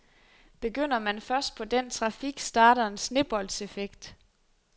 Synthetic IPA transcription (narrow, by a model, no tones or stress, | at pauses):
b̥e̝ɡ̥øn̰ɐmænfɶɐsd̥̚pʰɒ̽d̥ent͡sʰʁɑ̈fiɡ̥sd̥ɑ̈ːɾ̥ɐensne̝b̥ɒ̽l̰d̥se̝feɡ̥d̥